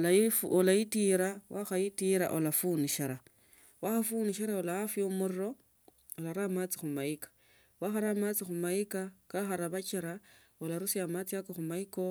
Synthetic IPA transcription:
lafolajitiɾawaxajitiɾa̰ʔolafuniʃaɾa | waxafuniʃaɾaolaafjomuriɾo̞ | olaɾamat͡sixumaikḁ | waxaɾamat͡sixumaikakaxaɾaβat͡ʃiɾa | olaɾusiamat͡siakoxumaiko̞

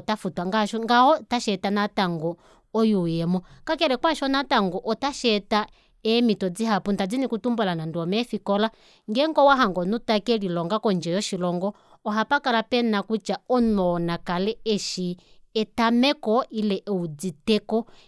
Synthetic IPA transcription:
ɔtafutwaŋɡaʃɔŋɡaɔtaʃɛtanataŋɡɔ | ɔjujɛmɔŋkakɛlɛkwaʃɔnataŋɡɔʔɔtaʃɛta | ɛmitɔd͡ziɦapuntad͡zinikutumbɔlanandiɔmɛfikɔla | ŋɡɛŋɡɔwaɦaŋɡɔnutakɛlilɔŋɡakɔnd͡ʒɛjɔʃilɔŋɡɔ | ɔɦapakalapɛnakut͡ʃaɔnɔnakalɛɛʃiɛtamɛkɔilɛʔɛud͡zitɛkɔ

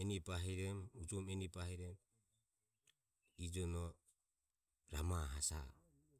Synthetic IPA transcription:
ɛnipaɦiɾɛmud͡ʒɔmɛnipahiɾɛm | id͡ʒɔnɔ | ɾamaɦasa̰

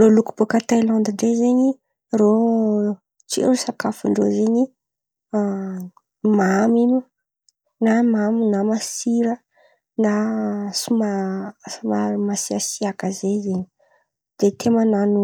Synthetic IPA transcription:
roluku̥bokət̪ajlɔnd̪iɳɖ͡ʐezeɲi | ro | t͡sḛɾusakafuɳɖ͡ʐo̰zeɲi | mamimu | namaminamasiɾə | nasuma | mamasiasiakəzezeɲi | d̪̥et̪ʰemananu

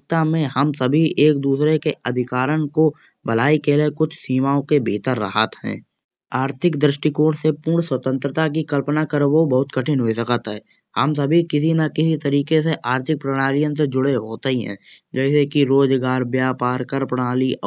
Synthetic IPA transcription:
kt̪amẽhəmsəbʱiʔeːk̚d̪uːsɾekeɐd̪ʱɪkaːɾənko | bəlaːikelekʊt͡ʃʰsiːmaːõkebiːt̪əɾːə̰ɦat̪ɦɛ̰̃ː | aːɾt̪ʰɪkd̪ɾɪʃʈikoːʈsepuːɳswət̪ə̃nt̪ɾət̪ak̬ikəlpnakəɾbobɐɦʊt̪kəʈʰɪnɦoisəkət̪aɦɛː | hə̰ms̬əbʱikɪs̬inakɪsit̪əɾiːkeseʔaːɾt̪ʰɪk̚pɾəɽ̃aːlijəns̬ed͡ʒʊɽeɦoːt̪ɦiɦɛ̰̃ː | d͡ʒɛːsekiɾoːd͡ʒɡaːɾbjaːpaːɾkəɾpɾəɽ̃aːli

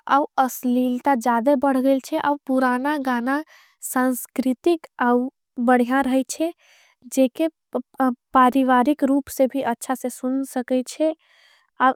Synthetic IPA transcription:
a̰uəslilt̪ad͡ʒad̪ebəɽ̤ɡelt͡ʃʰɛʔaupuɾanaɡana | sãnskɾit̪ikau | bəɽ̤ijãɾəɦɛt͡ʃʰɛ | d͡ʒeke | paɾiʋaɾikɾupsẽbʱiʔətːʃʰasẽsunsəkɛt͡ʃʰɛ | a

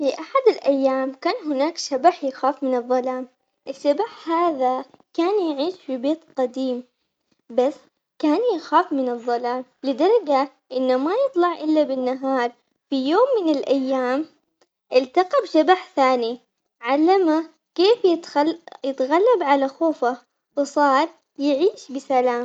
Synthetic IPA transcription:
fiʔaħad̪ɪlʔajːaːmkaːnɦɪnaːkʃabaħjɪxaːfmɪnɨðˤːɑlaːm | ʔɪʃːabaħhaːðakaːnjʕiːʃfibeːt̪qɑd̪iːm | basː | kaːnjɪxaːfmɪnɨðˤːɑlaːmlɪd̪ɑɾˤɑd͡ʒa | ʔɪnːamajɨt̪ˤlɑʕʔɪlːabɪnːaɦɑːɾˤ | fijoːmːɪnɪlʔajːaːm | ʔɪlt̪aqɑbʃabaħθaːni | ʕalːama | keːfjɪjɪt̪ɣalːabʕalaxoːfa | wɨsˤɑːɾˤ | jɪʕiːʃbɪsalaːm

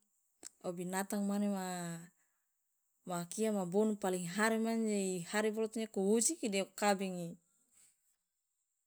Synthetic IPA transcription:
ɔbinat̪aŋmanema | makiamabɔnupaliŋɦaɾimand͡ʒaihaɾibɔlɔt̪ɲakuwud͡ʒikidɛukabɛŋi

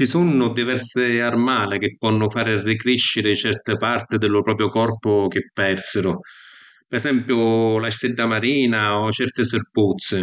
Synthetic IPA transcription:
t͡ʃisunːʊd̪ivɛrsɪarmaːlɪk̟ɪpːɔnːʊfaːɾɪrːikɾiʃːɪɾɪt͡ʃɛrt̪ɪpart̪ɪd̪ɪlːʊpɾɔːpɾjʊkɔrpʊk̟ɪpːɛrsɪɾʊ | pɛsɛmpjʊlaʃɛd̪ːamaɾiːnaɔt͡ʃɛrt̪ɪsɪrput̪sːɪ

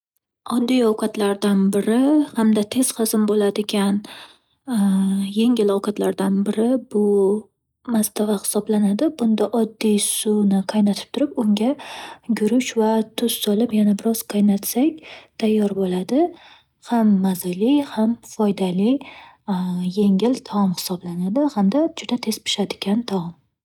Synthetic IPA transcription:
ɒd̪ːijɒwqɑt̪laɾd̪anbɪɾɪhamd̪at̪ʰe̞z̥χɨzɪmbolad̪ɪkʲan | jeŋʲɪlɒwqʰɑt̪ʰlaɾd̪anbɪɾɪbʊ | mast̪ʰavahɪ̥sɒblanad̪ɪbʊnd̪aʔɒd̪ːijsʊnɪqʰajnat̪ʰɪ̥p̚t̪ʰʊɾɪpʊŋɡʲaɡʲʊɾʊʃvat̪ʰʊz̥sɒlɪpjanabɪɾɒz̥qʰajnat̪sak̚ʲt̪ʰajːɒɾbolad̪ɪ | hamːazalɪhamfɒjd̪alɪ | je̞ŋɪlt̪ʰaɒmhɪ̥sɒblanad̪ɪhamd̪ad͡ʒʊd̪at̪ʰe̞spʰɪ̥ʃad̪ɪ̥ɡʲant̪ʰaɒm

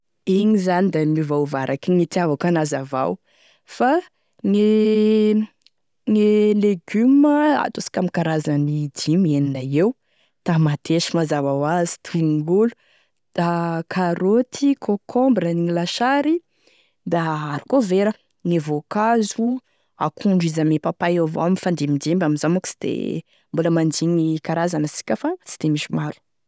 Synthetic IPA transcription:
iɲizanid̪anivauvaɾʔakʲiŋit̪iavakanazava̰w | fa | ŋi | ŋileɡyməa̰t̪usi̥kʲamikaɾazənid̪imieninaew | t̪amat̪ʰeʃimazavawazi̥t̪iɡulu | d̪̥akʰaɾot̪ʰikʰokʰɔ̃mbɾəniilaʃaɾi | d̪aaɾi̥koveɾə | ŋevokazu | a̰kʰuɳɖ͡ʐizamepapajova̰mifand̪emind̪embamizamaku̥si̥d̪̥ḛ | mbuləmand͡ʒiɲikaɾazanəsi̥kʲəfat͡si̥t̪emiʃimaɾu̥

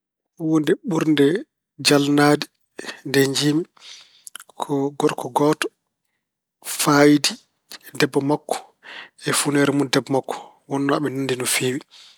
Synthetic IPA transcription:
wondɛɓuɾndɛ | d͡ʒalnadi | ndɛɲd͡ʒimi | kʰɔɡɔɾkʰɔɡɔːtɔ̥ | fajdi | dɛbːɔmakːɔ̥ | ɛfunɛɾɛmundɛbɔmakːɔ̥ | wɔnːɔaɓɛnandinɔfiːwi

